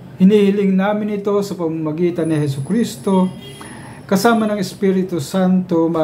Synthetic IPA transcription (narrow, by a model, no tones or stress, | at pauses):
hɪniːhɪlɪŋnaːmɪnɪt̪o̞sɐpɐmɐmɐɡiːt̪ɐnːɪɦɛsʊkɾist̪o̞ | kɐsaːmɐnɐŋɛspiɾɪt̪ʊsant̪o̞mɐ